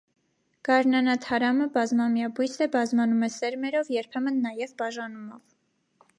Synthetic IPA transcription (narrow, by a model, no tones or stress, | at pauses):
ɡ̥ɑɾnɑnɑt̪ʰɑɾɑməbɑzmɑmjɑbujsʰɛbɑzmɑnumɛsɛɾmɛɾɔvjɛɾpʰɛmənːɑjɛvbɑʒɑnumɔv